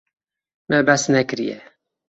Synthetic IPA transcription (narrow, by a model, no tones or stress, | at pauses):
mɛbɛsnɛkɨɾḭjɛ̰